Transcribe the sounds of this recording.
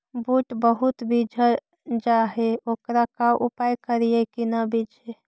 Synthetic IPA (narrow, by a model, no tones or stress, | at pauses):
buʈbəɦut̪bid͡ʒʱə | d͡ʒaɦeoːkɾakaʔupajkəɾijekinabid͡ʒʱe